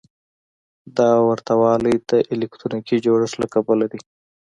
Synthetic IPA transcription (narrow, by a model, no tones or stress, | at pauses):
d̪ɑwaɾt̪awɑləjd̪əʔɪlɪkʈɾunikid͡ʒoɽəsla̰kabəlad̪i